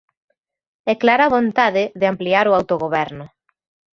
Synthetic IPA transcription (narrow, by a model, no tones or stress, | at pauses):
ɛklaɾaβont̪aðɪðeampliaɾʊawt̪oɣoβɛɾnʊ